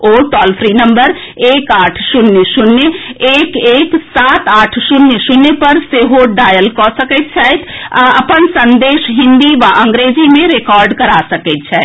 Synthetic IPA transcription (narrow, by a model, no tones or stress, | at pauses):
oːʈɔlfʰɾinəmbəɾ | eːkaːʈʰsunːəsunːəeːkeksat̪aːʈʰsunjəsunːəpəɾseɦoɖajəlkɔsəkət̪̚t͡ʃʰɛjt̪ʰaəpənsənd̪eːʃɦɪ̃nd̪iʋaʔə̃ŋɡɾed͡ʒimẽɾekɔːɾɖkəɾasəkəɪt̪̚t͡ʃʰɛjt̪